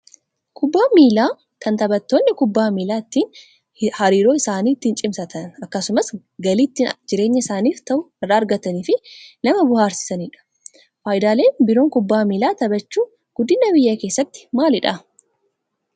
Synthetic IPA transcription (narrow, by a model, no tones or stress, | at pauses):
kʰʊbːaːmiːlaː | kʰɐnt̪ɐbɐt̪ːoːnːɪkʊbːaːmiːlaːɪt̪ːiːn | hɐɾiːɾo̞ːɪsaːniːt̪ːiːnt͡ʃʼɪmsɐt̪ɐnɐkːɐsʊmɐs | ɡɐliːt̪ːɪnd͡ʒɪɾe̞ːɲːɐɪsaːniːft̪ɐʔʊɪrːaːɾɡɐt̪ɐniːfɪnɐmɐbʊhaːɾsɪ̥sɐniᶑɐ̥ | faːjd̪aːle̞ːnbɪɾo̞ːŋkʊbːaːmiːlaːt̪ɐbɐt͡ʃːuː | ɡ̥ʊd̪ːɪnːɐbɪjːɐke̞ːsːɐt̪ːɪ̥maːlɪᶑɐ